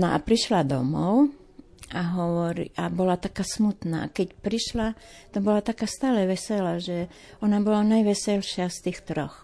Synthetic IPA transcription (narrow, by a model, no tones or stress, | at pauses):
nɔʔa̰pɾiʃlad̪ɔ̰mɔʊ | aɦɔʋɔɾḭʔabɔlat̪akaːsmut̪na̰ːkɛcpɾiʃla | t̪ɔbɔlat̪akaːst̪aːlɛʋɛsɛlaʒɛ | ɔnabɔlanajʋɛsɛlʃɪast̪iːxt̪ɾɔx